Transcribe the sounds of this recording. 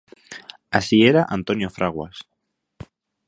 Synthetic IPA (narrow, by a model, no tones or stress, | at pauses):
asieɾaʔant̪onjofɾʔaɣwa̰s